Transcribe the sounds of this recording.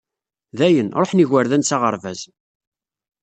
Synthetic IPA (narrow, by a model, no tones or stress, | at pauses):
ðæjənɾˤoħniʝwəɾðænsaʁəɾvæz̥